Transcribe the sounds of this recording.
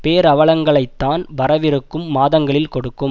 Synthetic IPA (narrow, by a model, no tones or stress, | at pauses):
peːɾɐʋɐɭɐŋɡɐɭɐɪt̪ːaːnʋɐɾɐʋɪɾɯkːɯmːaːðɐŋɡɐɭɪlkɔɽɯkːɯm